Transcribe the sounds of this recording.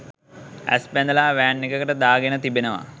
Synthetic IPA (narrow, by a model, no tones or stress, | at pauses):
æ̰spɛnd̪əlaːʋæːɳːikəkəʈəd̪aːɡenət̪ibenəʋa̰